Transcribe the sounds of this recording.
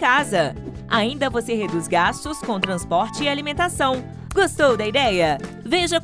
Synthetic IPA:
kazɐ | aĩnd̪ɐvoseɦed̪usɡast̪ʊskõw̃t̪ɾɐ̃spɔɾt͡ʃɪːalimẽnt̪asɐ̃w̃ | ɡost̪owd̪ɐid̪ɛjɐ | veʒɐ

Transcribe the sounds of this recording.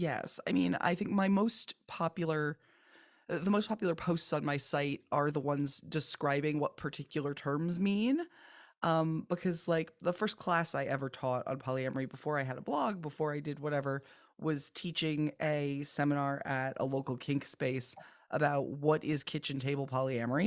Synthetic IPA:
jɛ̰sa̰ɪmĩna̰ɪθɪ̃ŋk̚maɪmoʊspʰɑpjl̩ˠə˞ | ðəmoʊspʰɑpjl̩ˠə˞pʰoʊstsn̩maɪsaɪɾʔə˞ðəwʌ̃nzdɨskɹaɪbɪ̃ŋwʌt̚pʰə˞tʰɪkjl̩ˠə˞tʰɜ̃˞mzmĩnʔʌ̃mb̥əkʰʌzlaɪk̚ðəfɜ˞skʰl̥æsaɪʔɛvə˞tʰɔɾn̩pʰɑlˠiɛmə˞ibəfɔɹaɪɨɾəblɑɡ̚bəfɔɹaɪdɨd̚wʌɾɛvə˞ | wʌz̥tʰit͡ʃɪ̃ŋɨsɛmənɑɹʔɨɾə̰loʊkl̩ˠkʰɪ̃ŋkspeɪsʔəbaʊʔ̚wʌɾʔɪz̥kʰɪt͡ʃɨ̃n̩tʰeɪbl̩ˠpʰɑlˠiɛmə˞i

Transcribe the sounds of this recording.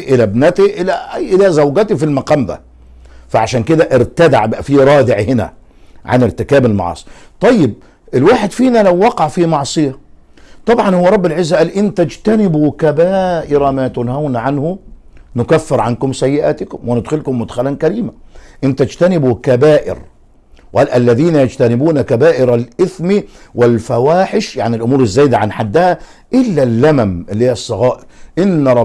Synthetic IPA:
ʔɪlæbnæt̪iʔɪlæʔɪlæzæwɡæt̪ifilmaqɑːmd̪æ̰ | faʕaʃæːnkɪd̪æʔɪɾt̪æd̪a̰ʕʔɪbʔæfiɾˤɑːd̪ɪʕhɪnæ̰ | ʕa̰nɪɾt̪ɪkæːbɪlmɑ̰ʕɑ̰ːsˤt̪ˤɑjːɪb̚ | ʔɪlwaːħɪd̪fiːnælæwːɑqɑʕfimɑʕsˤɨjæ | t̪ˤɑbʕɑnhʊwːæɾˤɑbːɪlʕɪzːæʔæːlʔɪnt̪æd͡ʒt̪ænɪbukæbæːʔɪɾˤɑmæːt̪ʊnhawnʕanhʊnʊkæfːɪɾʕankʊmsæjːɪʔaːt̪ɪkʊmwɪnɪd̪xʊlkʊmːʊd̪xalankæɾiːmaʔɪnt̪æd͡ʒt̪ænɪbukæbaːʔɪ̰ɾ | wʔælʔælːæðiːnajad͡ʒt̪ænɪbuːnakæbaːʔɪɾalʔɪθmiwɪlfawaːħɪʃjaʕnɪlʔʊmuːɾɪzːæːjd̪aʕanħad̪ːɪhæ | ʔɪlːælːæmæmʔɪlːhijɑsˤːɑɣɑːʔɪɾʔɪnːˤɑ

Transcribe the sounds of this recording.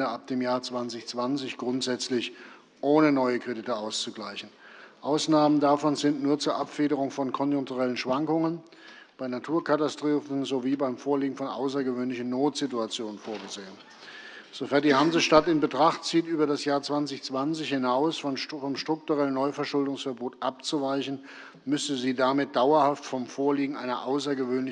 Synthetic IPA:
dəap̚d̥eːmjaːɐt͡sv̥ant͡sɪçt͡sv̥ant͡sɪçɡ̥ʁʊntz̥ɛt͡slɪç | ʔoːnənɔʏəkʁ̥edɪtəaʊst͡suɡlaɪçn̩ʔaʊsnaːməndafɔnzɪntnuːɐt͡suːɐʔapfeːɾəʁʊŋfɔnkʰɔnjʊŋk̚tuʁɛlənʃv̥aŋkʊŋən | b̥aɪnatʰuːɐkʰatastʁ̥uːfn̩zoviːbaɪmfoːɐliːɡŋ̩fɔnʔa̰ʊs̬ɐɡəvøːnlɪçn̩noːtz̥ɪtuat͡sjoːnənfoːɐɡəzeːən | z̥ofɛɐt̚d̥ihamzəʃtatɪnbətʁ̥aχtt͡siːtʔyːbɐdasjaːɐt͡sv̥ant͡sɪçt͡sv̥ant͡sɪçhɪnaʊsfɔmʃtʁ̥ʊk̚tuʁɛlənːɔʏfɛɐʃʊldʊŋsfɛɐboːtʔap̚t͡suvaɪçn̩ | mʏsəziːdamɪt̚d̥aʊɐhaftfɔmfoːɐliːɡŋ̩ʔaɪnɐʔaʊs̬ɐɡəvøːnl

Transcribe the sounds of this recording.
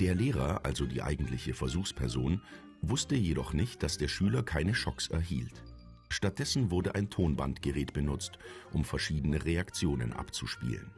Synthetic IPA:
d̥eːɐleːʁ̞ɐʔa̰lzodiːʔa̰ɪɡŋ̩tlɪçəfɛɐzuːxspʰɛɐzoːn | vʊstəjedɔχnɪçt̚d̥asd̥eːɐʃyːlɐkʰaɪnəʃɔksɛ̰ɐɦiːlt | ʃtat̚d̥ɛsn̩vʊɐdəʔaɪntʰoːnba̰ntɡ̥əʁɛːtb̥ənʊt͡stʔʊmfɛɐʃiːdənəʁeakt͡sjoːnə̰nʔa̰pt͡suʃpḭːlə̰n

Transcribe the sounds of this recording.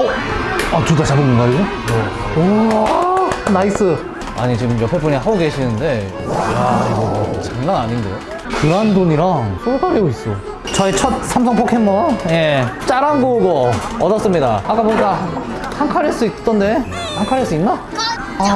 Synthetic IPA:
oat͡ɕudat͡ɕabɯmɯnɡaɡiɡo | jeoanais͈ɯ | a̰ɲit͡ɕiɡɯmjʌpʰe̞p͈uɲiɦaɡoɡe̞ɕʰinɯnde̞ | jaḭɡot͡ɕaŋnanaɲinde̞̰jo | kɯɾandoɲiɾaŋsʰokʰaɾeois͈o | t͡ɕʌet͡ɕʰʌt̚sʰams̬ʰʌŋpʰokʰemːʌje̞t͡ɕ͈aɾanɡoɡoʌdʌs͈ɯmɲidaak͈aboik͈a | haŋkʰaɾes͈ɯit͈ʌnde̞ | haŋkʰaɾes͈ɯinːa

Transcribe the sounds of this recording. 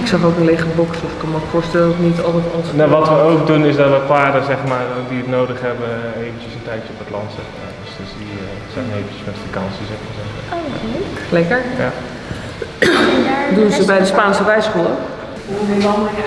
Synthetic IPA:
ɪksɑχowkənlejχəɹbɔksɔfɪkːɔnmokfʊːɹstɛləoknitɑlˠtɛtɔnsnaʋɑtʋəowkdunɪsdɑtʋəpaːdəzɛχmaːrdiətnowdəχɦɛbəejvənt͡ʃəsəntɛjtt͡ʃəɔpətlɑntsɛχma̰ːdøsddi | z̥ɛjnejvənt͡ʃəsmɛtfakɑnsizɛχmaːɹzɛmːɛjχənləklɛkəɹa | dunzəbɛjdəspaːnsərɛjsχulˠə

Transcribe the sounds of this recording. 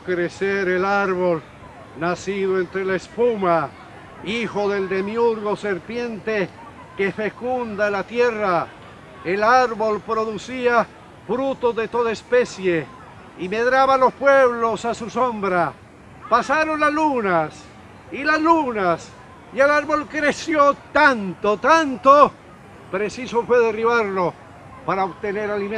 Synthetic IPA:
kɾeseɾelaɾβo̞l | nasiðoe̞nt̪ɾelaespuma | ixo̞ðe̞ld̪e̞mjuɾɣo̞se̞ɾpje̞nt̪e | ke̞fekund̪aelat̪je̞ra | elaɾβo̞lpɾo̞ðusia | fɾut̪o̞zðe̞t̪o̞ðaespe̞sje | imeðɾaβalo̞spweβlo̞sasusombɾa | pasaɾo̞nlazlunas | ilazlunas | ielaɾβo̞lkɾesjot̪ant̪ot̪ant̪o | pɾesisofweðeriβaɾlo | paɾaoβt̪ene̞ɾalimẽ

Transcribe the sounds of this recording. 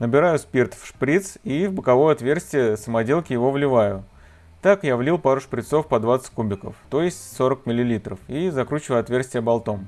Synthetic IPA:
nəbʲɪɾajʊspʲirt̪fʂpɾʲit̪sivbəkɐvo̞jʊɐt̪vʲe̞rsʲtʲɪjəsəmɐdʲe̞lˠkʲɪjɪvo̞vlʲɪvajʊ | t̪akjavlʲilˠpaɾʊʂpɾʲɪt̪so̞fpɐd̪vat̪sə̥tʲkubʲɪkə̰ft̪o̞jɪsʲtʲso̞ɾək̚mʲɪlʲɪlʲit̪ɾəfizɐkɾut͡ɕɪvəjɐt̪vʲersʲtʲɪjəbɐlˠt̪o̞m

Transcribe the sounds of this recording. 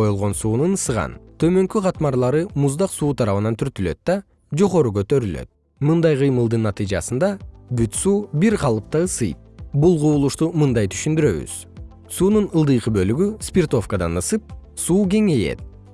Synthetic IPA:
ojulˠʁo̞nsuːnunɯsɯʁɑ̰nt̪ʰø̞mø̞ŋkøqɑt̪mɑɾlˠɑɾɯmuzd̪ɑqsuːt̪ʰɑɾɑβɯnɑnt̪ʰyɾt̪ylø̞̰t̪̚d̪ɑ | d͡ʒo̞ʁo̞ɾuɡø̞t̪ø̞ɾylø̰t̪̚ | mɯnd̪ɑjqɯjmɯlˠd̪ɯnːɑt̪ɨjd͡ʒɑ̰sɯnd̪ɑbyt̪suːbiɾqʰɑlˠɯp̚t̪ɑɯsɯjp̚bulˠʁuːlˠuʃt̪umɨnd̪ɑjt̪ʰy̥ʃynd̪yɾø̞̰βy̰z̥ | suːnunɯlˠd̪ɯjqɯbø̞lyɡyspʲirt̪o̞fkad̪ɑ̰nɯsɯp̚suːɡe̞ŋe̞jḛt̪̚

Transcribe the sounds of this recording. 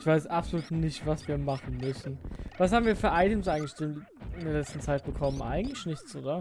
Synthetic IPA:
ɪçv̥aɪsʔapzoluːtnɪçtv̥asv̥iːɐmaχn̩mʏsn̩v̥ashaːbm̩viːɐfyːɐʔaɪtʰuːmsʔaɪɡŋ̩tlɪ̥çti | ɪndeɐlɛt͡stn̩t͡saɪt̚b̥əkʰɔmənʔa̰ɪɡŋ̩tlɪçnɪçt͡soːdɐ

